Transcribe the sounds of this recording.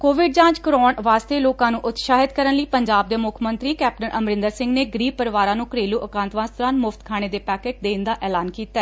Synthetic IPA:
koːʋɪɖd͡ʒãːt͡ʃkɾɔːɳʋaːst̪eːloːkãːnũːʔʊt̪ʃaːɦɪd̪kəɾənləiːpəɲd͡ʒaːb̚d̪eːmʊkʰmənt̪ɾiːkɛːp̚ʈənʔəmɾɪ̃nd̪əɾsɪ̃ŋɡneːɡɾiːpəɾʋaːɾãːnũːkəɾeːluːʔəkãːnt̪ʋãːst̪ɔɾaːnmʊft̪kʰaːɽ̃eːd̪eːpɛːkeːʈ̚d̪eːnd̪aːʔɛːlaːnkiːt̪aɛː

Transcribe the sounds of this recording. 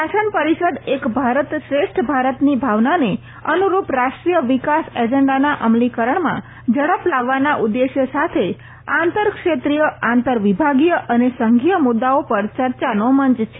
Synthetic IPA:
ʃaʃənpəɾiʃəd̪ekbʱaɾət̪ʃɾeʃʈʰbʱaɾət̪nibʱaʋnane | ənuɾupɾaʃʈɾijəʋikased͡ʒəɳɖanaʔəmlikəɾəɳmã̰ | d͡ʒəɽəplaʋːanaʔud̪ːeʃjəsat̪ʰe | ãnt̪əɾkʂʃet̪ɾijəãnt̪əɾʋibʱaɡijəʔənesəŋɡʱijəmʊd̪ːaopəɾt͡ʃəɾt͡ʃanoməɲt͡ʃt͡ʃʰe

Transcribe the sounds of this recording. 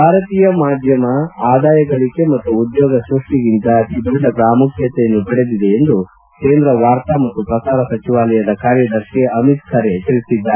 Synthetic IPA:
bʱaːɾɐt̪iːjɐmaːd̪ʱjɐmɐaːd̪aːjɐɡɐɭike̞mɐt̪ːuːd̪joːɡɐsɾuʂʈiɡint̪ɐid̪uɖɐpɾaːmukʰjɐt̪ejɐnːubɐɽe̞d̪id̪e̞ːnd̪u | keːnd̪ɾɐʋaːɾt̪amɐt̪ːupɾɐsaːɾɐsɐt͡ʃiʋaːlɐjɐd̪ɐkaːɾjɐd̪ɐɾʃeɐmit̪sʰɐɾe̞t̪iɭisid̪ːaː

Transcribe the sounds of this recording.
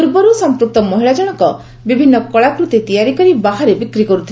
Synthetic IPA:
uɾbɔɾusɔmpɾuk̚t̪ɔmɔɦiɭad͡ʒɔɽ̃ɔkɔ | bibʱinːɔkɔɭakɾut̪it̪ijaɾikɔɾibaɦaɾebikɾikɔɾut̪ʰil

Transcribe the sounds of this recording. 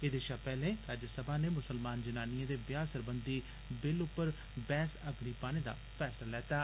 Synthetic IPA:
ɪd̪eːʃaːpɛːlẽːɾaːd͡ʒəsəbaːneːmʊsəlmaːnd͡ʒənaːniãːd̪eːbjaːsəɾbənd̪iː | bɪlʊpːəɾ | bɛːsəɡɽiːpaːneːd̪a̰ːpʰɛːslaːlɛːt̪aː

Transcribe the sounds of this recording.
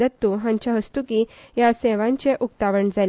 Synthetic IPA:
ət̪ːuɦãɲt͡ɕaɦəst̪ukijaseʋãɲt͡ɕeʔuk̚t̪aʋəɳd͡zal

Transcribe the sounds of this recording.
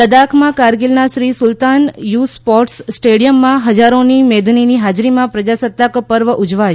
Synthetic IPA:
əd̪akʰmãkaɾɡilnaʃɾisʊlt̪anjuspɔʈsːʈeɽijəmːãɦəd͡ʒaɾonimed̪niniɦad͡ʒɾimãpɾəd͡ʒasət̪ːakpəɾʋəʔʊd͡ʒʋaj

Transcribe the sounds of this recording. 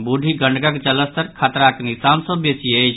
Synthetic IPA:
buɖʱiɡəɳɖɡakt͡ʃələst̪əɾkʰat̪ɾaknisansəbːesiəjt͡ʃʰ

